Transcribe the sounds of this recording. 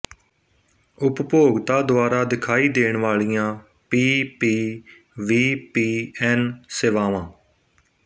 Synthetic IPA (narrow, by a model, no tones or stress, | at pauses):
ʊppoːɡt̪aːd̪ʊaːɾaːd̪ɪkʰaːiːd̪eːɳʋaːɭijãː | piːpiː | ʋiːpiːɛːnseːʋaːʋãː